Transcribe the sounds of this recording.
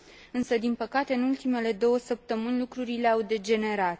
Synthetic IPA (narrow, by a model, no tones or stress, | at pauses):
ɨnsəd̪inpəkat̪e̞ɨnult̪ime̞le̞d̪o̞wəsəp̚t̪əmɨnʲlukɾuɾile̞awd̪e̞d͡ʒe̞ne̞ɾat̪